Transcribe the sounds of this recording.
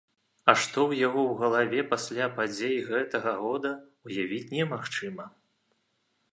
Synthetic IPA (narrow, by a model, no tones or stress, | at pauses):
ɐʂt̪ɔwjaɣɔwɣɐlˠavʲɛpasʲlʲapad͡zʲejɣɛt̪ɐɣɐɣɔd̪ɐ | ujavʲit͡sʲnʲɛmaxt͡ʂɨmɐ